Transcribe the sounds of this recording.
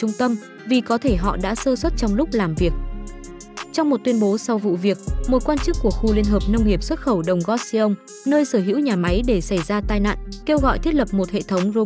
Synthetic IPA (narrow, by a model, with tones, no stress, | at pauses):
t͡ɕʊ˧ŋ͡mt̪ə˧m | vi˨˩kɔ˨˦t̪ʰe˧˩ɦɔ̰˧˨ɗa̰ː˧˥səː˧swə˦˥t̚t͡ɕɔ˧wŋ͡mlʊ˦˥k͡p̚laː˨˩mvi˨˩ək̚ | t͡ɕɔ˧wŋ͡mm˨˩t̚t̪wi˧ənɓo˨˦sa˧wvṵ˧˨vi˨˩ək̚mo˨˩t̚kwaː˧nt͡ɕɨ˦˥kːu˧˩əxu˧li˧ənɦəː˨˩p̚nə˧wŋ͡mŋi˨˩əp̚swə˦˥t̚xə˧˩wɗə˨˩wŋ͡mɣɔ˦˥t̚si˧ʔə˧wŋ͡m | nəː˧jsəː˧˩ɦḭ˧˥wɲaː˨˩ma˨˦jɗe˧˩sa˧˩jzaː˧t̪aː˧jna̰ː˧˨nke˧wɣɔ̰˧˨jt̪ʰi˦˥t̚lə˨˩p̚mo˨˩t̚hḛ˧˨t̪ʰə˨˦wŋ͡mzo˧